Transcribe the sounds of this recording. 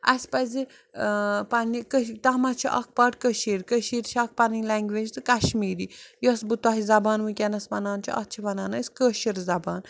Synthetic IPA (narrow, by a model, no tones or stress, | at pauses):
ɐsʲpɐzi | pɐnikət̪ɐmɐt͡ʃʰiʔɐ̰k̚ʰpɐʈkəʃiːɾkəʃiːɾt͡ʃʰiɐk̚ʰpɐnilaŋɡʲʋed͡ʒt̪ɨkɐʃmiːɾijosbɨt̪waɦizɐbaːnʋukʲɛnɐsmɐnaːnt͡ʃʰiɐ̰t͡ʃʰiʋɐnaːnɐsʲkəʃiɾzɐbaːn